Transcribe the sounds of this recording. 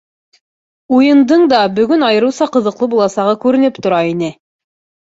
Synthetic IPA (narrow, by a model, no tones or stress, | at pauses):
ujɤ̆nd̪ɤɴd̪ɑbɵ̆ɡɵnɑjɤ̆ɾɤ̆wsɑqɤ̆ðɤ̆qlˠɤbulˠɑsɑʁɤkʉɾɘ̆nɘpt̪ŏɾɑinɘ